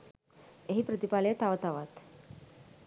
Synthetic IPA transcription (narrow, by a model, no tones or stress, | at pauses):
eɦipɾət̪ipalet̪aʋt̪aʋat̪